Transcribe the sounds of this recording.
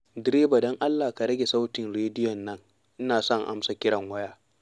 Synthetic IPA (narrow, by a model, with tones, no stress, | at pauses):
dɪ˨˦ɾeː˦ba˨dɔ˦ŋʔa˦lːaː˨ka˨ɽɐ˦ɡʲe˨sa˦wtɪ˨nɽeː˦dɪ˦jɔ˨nːɐ˦ŋ | ʔɪ˦naː˨sɐ˦˨ŋʔa̰˦msa˨kʲɪ˦ɽɐ˨ŋwɐ˦jaː˦